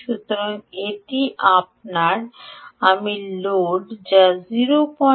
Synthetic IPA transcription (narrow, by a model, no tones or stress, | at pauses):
ʃut̪oɾaŋeʈiʔap̚naɾamiloɖd͡ʑaziɾopɔ